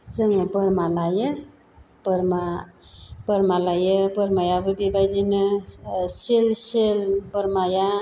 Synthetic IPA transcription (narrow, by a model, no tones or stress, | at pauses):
zɯŋɯbɯɾmalajɯ | b̥əɾma | b̥əɾmalajɯbɯɾmajabɯbibajdinɯselselbəɾmaja